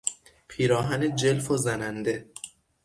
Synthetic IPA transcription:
pʰiːɾɒːɦæned͡ʒelfozænænd̪e

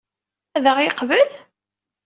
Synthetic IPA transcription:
æðəʁɪqvəl

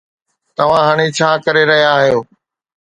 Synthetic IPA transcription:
t̪ɐʋ̤ãɦaːɽ̃it͡ɕʰaːkɐɾeɾɐɦijaːɦjoː

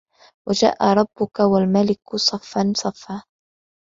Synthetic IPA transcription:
wad͡ʒa̰ːʔa̰ɾˤɑbːʊkawalmalɪksˤɑfːansˤɑfːaː

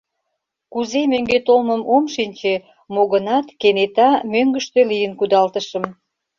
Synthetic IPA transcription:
kuzemøŋɡet̪olməmomʃinʲt͡ɕe | moɣənɑt̪kenet̪ɑmøŋɡəʃt̪ølijənkud̪ɑlt̪əʃə̆m

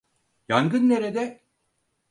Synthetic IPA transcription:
jaŋɡɯnːe̞ɾed̪ɛ

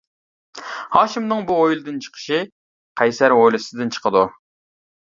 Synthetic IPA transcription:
hɑːʃimnɨŋbuojlˠɨd̪ɨnt͡ʃʰə̥qʰə̥ʃi | qʰæjsæɾojlˠɨsɪd̪ɨnt͡ʃʰə̥qʰəd̪u

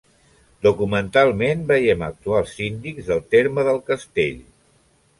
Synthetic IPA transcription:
d̪ukumənt̪alˠmenbəjɛmək̚t̪ualˠzind̪ikzðəlˠt̪eɾməðəlˠkəst̪ḛʎ

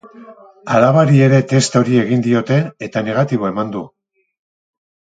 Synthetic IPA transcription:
alaβaɾie̞ɾe̞t̪e̞st̪o̞ɾie̞ɣind̪io̞t̪e̞ːt̪ane̞ɣ̞at̪iβ̞o̞e̞mand̪u

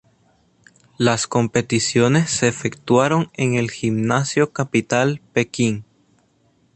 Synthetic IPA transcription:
lasko̞mpe̞t̪isjo̞ne̞sːeːfekt̪waɾo̞ŋeŋe̞lximnasjokapit̪alpe̞kiŋ

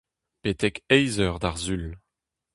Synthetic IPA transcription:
pet̪ɛkɛjzœʁd̪aʁzyl

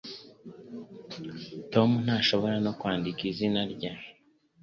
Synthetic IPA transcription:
to̞mun̥aːʃo̞βo̞ɾano̞kwaːndikizinaɾɟa

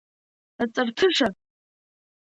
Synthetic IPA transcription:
at͡sʼartʰɨʂa

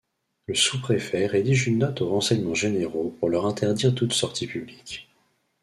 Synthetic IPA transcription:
ləsupχefɛʁed̪iʒynːɔt̪oʁɑ̃sɛɲmɑ̃ʒeneʁopuʁlœʁɛ̃t̪ɛʁd̪iʁt̪ut̪sɔʁt̪ʰipyblikʲ

